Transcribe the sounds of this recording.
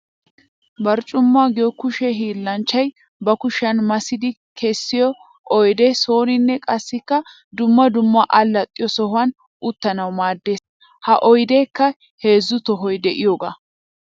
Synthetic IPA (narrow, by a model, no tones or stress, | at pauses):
bɐɾt͡ʃʼːʊmːaːɡɪjɔkʊʃɛɦiːlːɐnt͡ʃːɐj | bɐkʊʃɐnmɐsɪd̪ɪ | kʰɛsːɪjɔ | ʔɔjd̪ɛso̞ːnɪnːɛkʼɐsːɪkːɐ | d̪ʊmːɐd̪ʊmːɐʔɐlːɐt̪ʼːɪjɔsɔhʊɐn | ʔʊt̪ːɐnɐwmaːd̪ːe̞ːs | hɐʔɔjd̪eːkːɐ | he̞ːzːʊt̪ɔɦɔjd̪ɛʔɪjoːɡa̰ː